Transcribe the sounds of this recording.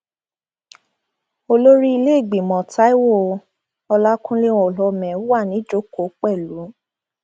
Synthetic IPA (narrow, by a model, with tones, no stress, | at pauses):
o˧lo˦ɾi˦i˧le˦e˦˨ɡ͡bi˨mɔ̃˨ta˦i˦wo˦˨ | ɔ˧la˦kũ˦lẽ˦ɔ˨lɔ˧˨mɛ̃˨˦wa˦˨nĩ˨˦d͡ʒo˦ko˨˦k͡pɛ˦˨lu˨˦